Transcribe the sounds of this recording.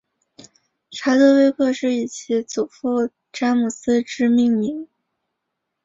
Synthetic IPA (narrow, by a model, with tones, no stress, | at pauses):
ʈ͡ʂʰa˧˥ɪt̪ɤ˥˧we˥ɪkʰɤ˥˧ʂɻ̩˥˩i˥˩t͡ɕʰi˧˥t͡su˨˩fu˥˩ | ʈ͡ʂa˥mu˨˩sɹ̩˥ʈ͡ʂɻ̩˥mi˥˩ŋmi˧˥ŋ